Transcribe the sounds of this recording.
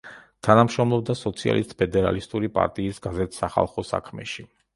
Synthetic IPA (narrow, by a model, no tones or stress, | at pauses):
t̪ʰanamʃɾɔmlˠɔbd̪asɔt̪sʰia̰lḭst̪̚ʼpʰɛd̪ɛɾa̰list̪ʼuɾipʼa̰ɾt̪ʼiːsɡazɛt̪ʰsaχa̰lˠχɔsa̰kʰmɛ̰ʃi